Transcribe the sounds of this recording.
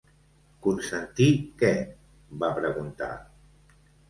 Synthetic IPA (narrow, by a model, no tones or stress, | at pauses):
kunsənt̪ikɛ | bapɾəɣunt̪a̰